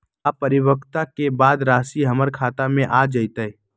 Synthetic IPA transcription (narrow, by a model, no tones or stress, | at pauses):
apɐɾɪwəkt̪akebaːd̪ɾaːsiɦɐməɾkʰaːt̪amẽʔaːd͡ʒəit̪ə